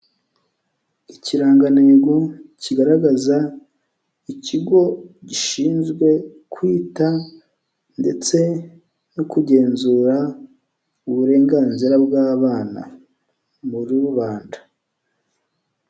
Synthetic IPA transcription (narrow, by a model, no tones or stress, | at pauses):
iciɾaːŋɡaneɡociɡaɾaɡaza | iciɡo̞ɟiʃiːnzɡwe̞ | kwiːta | nde̞t͡se̞ | nokuɟe̞ːnzuːɾa | uβuɾe̞ːŋɡaːnziɾabɡaːβaːna̰ | muɾuuβaːndḁ